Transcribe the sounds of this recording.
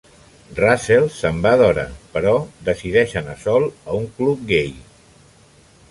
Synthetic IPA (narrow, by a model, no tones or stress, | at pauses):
raselˠsəmbaðɔɾə̰pəɾɔd̪əsiðɛʃənəsɔlˠəuŋklup̚ɡej